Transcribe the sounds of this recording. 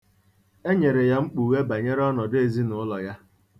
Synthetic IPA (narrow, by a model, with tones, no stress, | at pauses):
e˦ɲe˨ɾe˨ja˦ŋ͡m̩˦k͡pu˨we˦ba˨ɲe˦ɾɔ˦nɔ˨de˨zi˦nʊ˨ʊ˦lɔ˨ja˦